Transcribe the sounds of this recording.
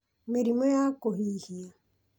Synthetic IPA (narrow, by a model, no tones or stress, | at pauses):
meɾimɔjakohihia